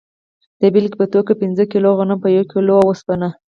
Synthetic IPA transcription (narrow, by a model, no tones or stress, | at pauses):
d̪̥əbilkpət̪okapinzəkiloɣanampəjakiloawəspana